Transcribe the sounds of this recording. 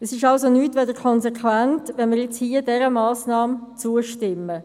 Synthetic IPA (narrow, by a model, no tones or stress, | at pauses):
əsɪʃɑlsonyːtʋɛdəɾkʰɔnsekʰvæntʋɛnmɪɾjɛt͡shiːədɛɾəmɑːsnɑːmt͡suəʃtɪmːə